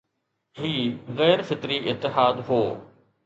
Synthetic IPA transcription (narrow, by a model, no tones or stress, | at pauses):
ɦiːɣɛːɾfɪt̪ɾiɪt̪ːɪɦaːd̪ɦoː